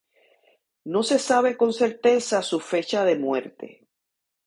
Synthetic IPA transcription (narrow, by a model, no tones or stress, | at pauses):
no̞se̞saβ̞e̞ko̞nse̞ɾt̪e̞sasufe̞t͡ʃaðe̞mwe̞̰ɾt̪e̞̰